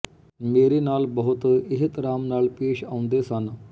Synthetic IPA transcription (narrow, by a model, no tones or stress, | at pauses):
meːɾenaːlbəɦut̪eɦit̪ɾaːmnaːlpeːɕaʋũnd̪esanə